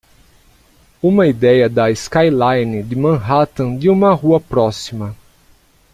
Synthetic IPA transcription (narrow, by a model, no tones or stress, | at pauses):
ũmɐid̪ɛjɐd̪ɐiskajlajnɪd̪ɪmɐ̃ɦat̪ɐ̃d̪ɪũmɐɦuɐpɾɔsimɐ